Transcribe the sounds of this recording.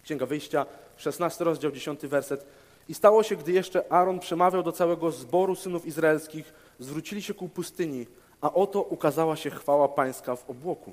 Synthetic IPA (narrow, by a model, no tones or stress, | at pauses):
kɕɛ̃ŋɡavɘjɕt͡ɕa | ʂɛsnast̪ɘɾɔzd͡ʑawd͡ʑeɕɔnt̪ɘvɛɾsɛt̪ | ist̪awɔɕɛɡd̪ɘjɛʂt͡ʂɛʔaɾɔnpʂɛmavʲjawd̪ɔt̪sawɛɡɔzbɔɾusɘnufizɾaɛlskʲiɣ | zvɾut͡ɕilʲiɕɛkupust̪ɘɲi | aʔɔt̪ɔʔukazawaɕɛxfawapaj̃skavɔbwɔku